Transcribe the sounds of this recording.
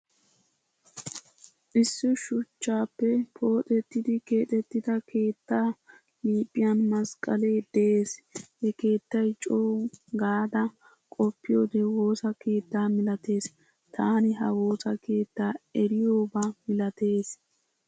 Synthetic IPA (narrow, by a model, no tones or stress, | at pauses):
ʔɪsːʊʃʊt͡ʃːaːpːɛpʰo̞ːt̪ʼɛt̪ːɪd̪ɪke̞ːt̪ʼɛt̪ːɪd̪ɐkʰe̞ːt̪ːaː | liːpʼːɪjɐnmɐskʼɐle̞ːd̪̥ɛeːshɛke̞ːt̪ːɐjt͡ʃʼoːɡaːd̪ɐ | kʼɔpːɪjo̞ːd̪ɛwo̞ːsɐke̞ːt̪ːaːmɪlɐt̪e̞ːs | t̪ʰaːnɪɦɐwoːsɐke̞ːt̪ːaːɛɾɪjoːbamɪlɐt̪e̞ːs